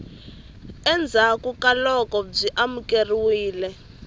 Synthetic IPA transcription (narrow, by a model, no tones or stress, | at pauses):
ɛnd͡zʱakukʼalɔkɔb͡ʐiʔamukʼeriwiːlɛ